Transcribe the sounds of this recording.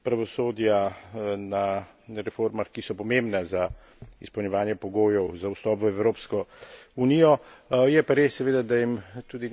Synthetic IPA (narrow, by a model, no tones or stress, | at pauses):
pɾaʋɔsoːd̪jana | ɾɛfoːɾmaxkisɔpɔmembnaza | ḭspəwnjɛʋaːnjɛpɔɡoːjɔwzawst̪ɔːpʋəɛwɾoːpskɔuniːjɔjɛpaɾeːsːɛʋeːd̪ad̪ajimt̪uːd̪i